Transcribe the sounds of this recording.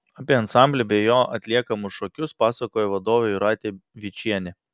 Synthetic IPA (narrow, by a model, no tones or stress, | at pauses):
ɐpʲiɛɐnsɑˑmʲbʲlʲɛbʲɛjoːʔɐt̪ʲlʲiɛkɐmʊsʃɔkʲʊspɑːsɐkoːjɛʋɐd̪oːʋʲɛjʊɾɑːt̪ʲeːʋʲɪt͡ʃʲiɛnʲɛ